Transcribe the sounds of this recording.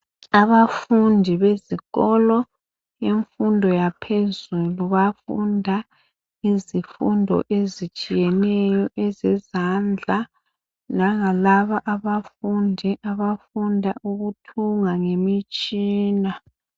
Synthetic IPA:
aβafundʱiβeziɣɔlɔ | jeɱfundʱɔjapʰezuluβafundʱa | izifṵndʱɔ̰ʔezit͡ʃʼijɛnɛjɔʔɛzɛzand͡ɮʱa | naŋalaβaʔaβafundʱiʔaβafundʱaʔuɣutʰuŋaŋemit͡ʃʼiːna

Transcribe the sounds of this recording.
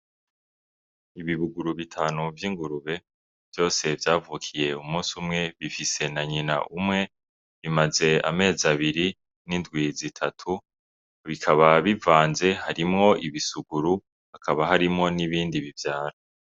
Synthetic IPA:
iβiβuɡuɾuβitʰaːnuvjiːŋɡuɾuβe̞ | v̥jo̞ːse̞vjaːvukʰije̞umuːnsumŋe̞βifise̞naɲina̰ʔumŋe̞ | βimaze̞a̰me̞ːzaβiɾi | nindɡwizitʰatʰu | βikʰaβaβivaːnze̞haɾimŋo̞ʔiβisuɡuɾu | hakʰaβaɦaɾimŋo̞niβiːndiβivjaːɾa

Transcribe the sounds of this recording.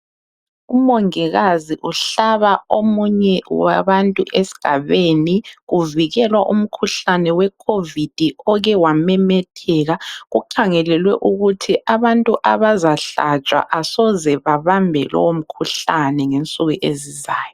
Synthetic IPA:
umoŋiɣaziʔuɬaβaomuɲɛwaβantʼuʔesi̥ɡ̥ʱaβeniɣuviɣɛlwaʔum̩kʰuɬanɛwɛkʰovid̥ʱiɔɣɛwamɛmɛtʰɛːɣaɣuǃʰaŋɛlɛlwɛ̰ʔuɣutʰiʔaβantʼuʔaβazaɬa̰t͡ʃʼwa̰ʔasɔzɛβaβambʱɛ̰lɔ̰wom̩kʰuɬanɛŋent͡sʼuɣuʔezizaːjɔ

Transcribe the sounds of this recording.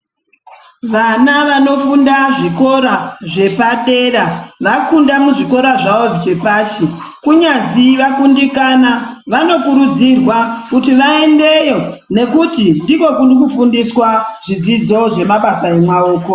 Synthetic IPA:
ʋanaʋano̞fundaʐiko̞ɾaʐe̞paɗe̞ɾaʋakundamuʐiko̞ɾaʐaot͡ʃe̞paːʃekuɲaziʋakundikanaʋano̞kuɾud͡zirwakutiʋae̞nde̞jo̞ne̞kutindiko̞kunkufundiswaʐ̥id͡zid͡zo̞ʐe̞maɓasae̞mwaoːko̞

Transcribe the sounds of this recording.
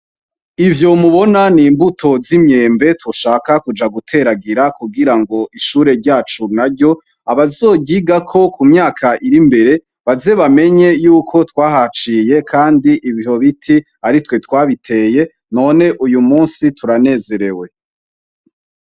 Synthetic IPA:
ivjo̞muβo̞naniːmbutʰo̞zimɲe̞ːmbe̞tuʃaːkakud͡ʒaɡutʰe̞ɾaɡiɾakuɡiɾaŋɡo̞ʔiʃuːɾe̞ɾɟaːt͡ʃunaɾɟo̞ | aβazo̞ːɟiːɡakʰo̞kumɲaːkʰaʔiɾimbe̞ɾe̞ | βaze̞βame̞ɲe̞juːkʰo̞twaːhat͡ʃiːje̞kʰaːndiʔiβiho̞βitʰi | aɾitwe̞twaːβitʰe̞ːje̞ | no̞ːne̞ʔujumuːnsituɾane̞ːze̞ɾe̞we̞

